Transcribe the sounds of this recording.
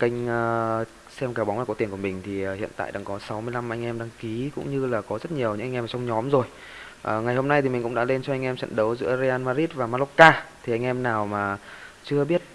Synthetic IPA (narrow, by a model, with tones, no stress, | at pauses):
ka˧jŋ̟əː˧ | sɛ˧mkaː˨˩wɓa˨˦ŋ͡mlaː˨˩kɔ˨˦t̪nkə˩mï˨˩ŋ̟t̪ʰi˨˩˨hḭ˧˨ənt̪a̰ː˧˨jɗa̰ː˧˩ŋkɔ˨˦sa˨˦wmɨ˧əjla˧m˨ʔa˧jŋ̟ʔɛ˧mɗaː˧ŋki˨˦kʊ̰˧˥ŋ͡mɲɨ˧laː˨˩kɔ˨˦zə˦˥t̚ɲi˨˩əwɲɨ̰˧˥ŋa˧ŋ̟ʔma˨˩t͡ɕa˧wŋ͡mɲɔ˨˦mzo˨˩j | ʔəː˨˩ŋa˨˩jho˧mna˧jt̪ʰi˨˩mï̟˨˩kɗa̰ː˧˥le˧nt͡ɕɔ˧ʔa˧ŋʔɛ˧mt͡ɕə̰˧˨nɗə˨˦wzɨ̰˧˥əze˧ʔaː˧nmaː˧zi˦˥t̚vaː˨˩ma˧lɔ˦˥kːaː˧t̪ʰi˨˩ʔa˧jŋ̟ʔɛ˧mnaː˨˩wmaː˨˩t͡ɕɨ˧əɓi˦˥ət̚